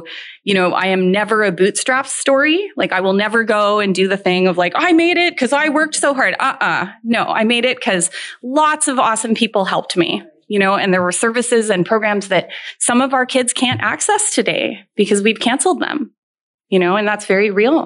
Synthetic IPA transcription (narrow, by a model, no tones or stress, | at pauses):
jɨɾ̃oʊʔa̰ɪɨ̃mnɛvə˞ɨbʉtstɹ̥æfstɔɹilaɪkaɪwəlˠnɛvə˞ɡoʊɨ̃ndɨðɨθɪ̃ŋʌvlaɪkaɪmeɪɾɪt̚kʰʌzaɪwɜ˞k̚tsoʊɦɑɹdʌʔʌnoʊa̰ɪmeɪɾɪt̚kʰʌzlɔtsʌvɔsə̃m̩pʰipl̩ˠɦɛlˠp̚t̚mḭ | jɨñoʊɨ̃nðə˞wə˞sɜ˞vɨsɪzɨ̃npʰɹ̥oʊɡɹæ̃mzðɨt̚sʌ̃mʌvaʊə˞kʰɪdz̥kʰæ̃ntæ̰ksɛstʰɨdeɪb̥ɨkʰʌzwiv̥kʰæ̃nsl̩ˠd̪̚ðə̰̃m | jɨñoʊɨ̃nðætsv̥ɛɹiɹilˠ